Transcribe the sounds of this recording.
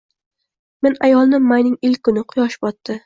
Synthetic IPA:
me̞najɒlˠnɪmajnɪŋɪlʲkʰːʊnɪqʰʊjɒʃɪpɒt̪ːɪ

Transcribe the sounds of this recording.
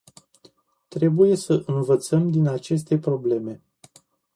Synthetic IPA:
t̪ɾe̞buje̞səʔɨnvət̪səmd̪inat͡ʃe̞s̬t̪e̞pɾo̞ble̞me̞

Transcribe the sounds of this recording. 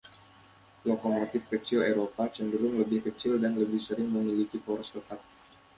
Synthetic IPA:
lokomot̪ɪfkət͡ʃɪleɾopat͡ʃəndəɾʊŋləbɪhkət͡ʃɪldanləbɪhsəɾɪŋməmilikipoɾɔst̪ət̪at̪̚

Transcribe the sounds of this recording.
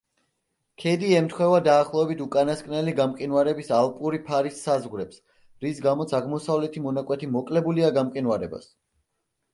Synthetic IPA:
kʰɛd̪iɛmt̪ʰχwɛvad̪aːχlˠɔɛbit̪ʰukʼanaskʼnɛliɡamkʼinwaɾɛbisalˠpʼuɾipʰaɾisːazʁwɾɛps | ɾisɡamɔt̪sʰaʁmɔsavlɛt̪ʰimɔnakʼwɛt̪ʰimɔkʼlɛbuliaɡamkʼinwaɾɛba̰s

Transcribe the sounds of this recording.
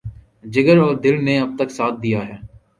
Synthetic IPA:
d͡ʒɪɡəɾɔːɾd̪ɪlneːɐb̚t̪əksaːt̪̚ʰd̪ijaːɦɛː

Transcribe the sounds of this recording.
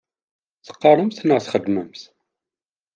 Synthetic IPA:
θə̥qːɑɾˤəmθnəʁθχəd̪məmθ

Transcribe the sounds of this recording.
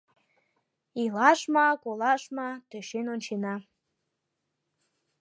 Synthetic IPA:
ilɑʃmɑkolɑʃmɑt̪øʃenonʲt͡ɕenɑ

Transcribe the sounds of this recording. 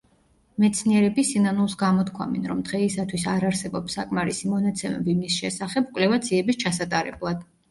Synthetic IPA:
mɛt̪sʰniɛɾɛbisinanulˠsɡamɔt̪kʰwa̰mɛ̰nɾɔmd̪̥ʁɛisat̪ʰwisaɾaɾsɛbɔpsːakʼmaɾisimɔnat̪sʰɛmɛ̰bimisʃɛsaχɛbkʼwlɛvad̪ziɛbist͡ʃʰasat̪ʼaɾɛ̰blˠad̪̥

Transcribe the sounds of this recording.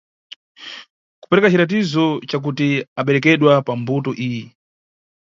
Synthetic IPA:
ku̥pɛɾɛkat͡ʃiɾat̬izɔt͡ʃak̬utiaɓɛɾɛkɛɗwapambutɔʔiːjɛ

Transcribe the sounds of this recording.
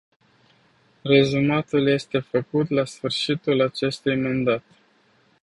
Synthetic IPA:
re̞zumat̪ulje̞st̪e̞fəkut̪lasfɨrʃit̪ulat͡ʃe̞st̪ujmand̪at̪

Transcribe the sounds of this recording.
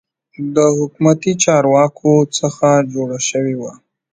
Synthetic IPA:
d̪əhʊkmat̪it͡ʃɑɾwɑkʰot͡səxad͡ʒoɽaʃəwewa

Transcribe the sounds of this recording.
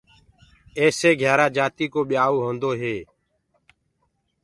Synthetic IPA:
eːseːɡʱjaːɾaːd͡ʒaːt̪iːkoːɓɪjaːʋoːɦõːnd̪oːɦeː

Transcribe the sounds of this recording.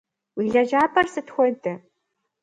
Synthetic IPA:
wiːɮɐd͡ʒaːbʰʼɐrsɨtxʷɔdɨ

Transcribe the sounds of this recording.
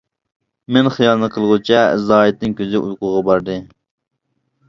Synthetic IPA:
mɛnχijɑlˠnɨqʰəlˠʁut͡ʃʰɛzɑːit̪̚nɪŋkʲøzɪʔujqʊʁɑbɑɾd̪ɨ

